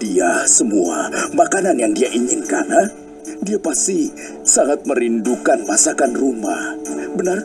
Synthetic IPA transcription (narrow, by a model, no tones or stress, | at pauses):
d̥iasəmua̰makananjaŋdiaʔiɲɪnka̰na | diapast̪i | saŋat̪̚məɾindukanmasakanruma̰hbənar